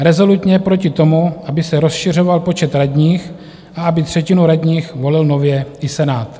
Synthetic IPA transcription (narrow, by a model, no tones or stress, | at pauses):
ɾɛzo̞lut̪ɲɛpɾocɪt̪o̞muʔabɪsɛɾo̞sʃɪr̝o̞valpo̞t͡ʃɛt̪ɾaɟɲiːx | ʔaabɪt̪r̝̥ɛcɪnuɾaɟɲiːxvo̞lɪlno̞vjɛɪsɛnaːt̪